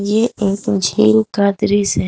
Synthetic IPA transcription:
jeeːkd͡ʒʱiːɾukaːd̪ɾise

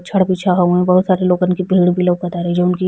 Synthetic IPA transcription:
t͡ʃʰɐɽpiːt͡ʃʰaɦɐũɛ̃bɐɦʊt̪saːɾeloːɡɐnkibʱiːɽbʱiləʋkɐt̪aːɾɛd͡ʒoʊnki

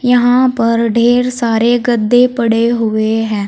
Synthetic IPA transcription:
jəɦãːpəɾɖʱeːɾsaːɾeɡəd̪ːepəɽeɦʊeɦɛ̃ː

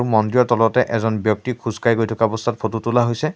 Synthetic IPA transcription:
umɔndɹijɔɹtɔlɔtɛʔɛzɔnbjɔk̚tikʰuzkajɡojtʰɔkaɔbɔstʰat̚pʰotutulaɦojsɛ

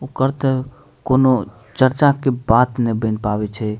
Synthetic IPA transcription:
okəɾt̪ɛ | kono | t͡ʃəɾt͡ʃakebat̪nebə̃npabɛt͡ʃʰɛ

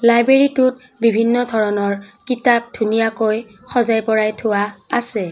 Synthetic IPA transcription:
lajbɹeɹitʊt̚ | bibʱinːɔdʱɔɹɔnɔɹkitap̚dʱunijakoj | xɔzajpɔɹajtʰʊwaasɛ

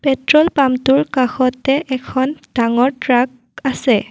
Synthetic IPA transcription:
pɛtɹɔlpamtuɹkaxɔtɛʔɛkʰɔnd̥aŋɔɹtɹak̚ | asɛ

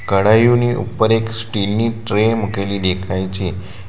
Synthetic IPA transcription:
kəɽajuniṵpəɾeksʈilniːʈɾemukeliːd̪ekʰajt͡ɕe

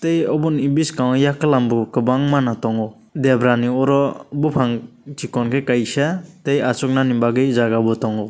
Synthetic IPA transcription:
tejɔbunibiskaŋjakɯlambukɯbaŋmanatɔŋɔ | debɾaniɔɾɔbupʰaŋtʰikɔnkʰekajsatejasɔk̚nanimbaɡɯjzaɡabɔtɔŋɔ

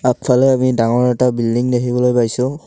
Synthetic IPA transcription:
apfʰalɛamidaŋɔɹɛtabildiŋdeɦibɔlojpajsʊ

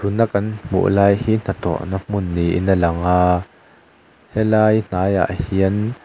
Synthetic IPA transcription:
tʰunakɐnm̥ṵʔlaːjhiːn̥at̪ɔ̰ʔnam̥ʊnːiʔḭnəlɐŋaː | hɛlaːjn̥aːja̰ʔhiən

